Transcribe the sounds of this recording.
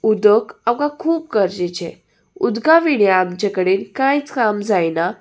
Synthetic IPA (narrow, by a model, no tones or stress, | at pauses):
ud̪əkawkakʰuːp̚kəɾd͡ʑet͡ɕḛ | ud̪ɡaʋiɽjaːmt͡ɕakəɽeːnkajt͡skamd͡zajna